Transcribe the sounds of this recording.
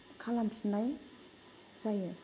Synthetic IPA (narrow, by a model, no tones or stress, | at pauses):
kʰalamsinaj | zaje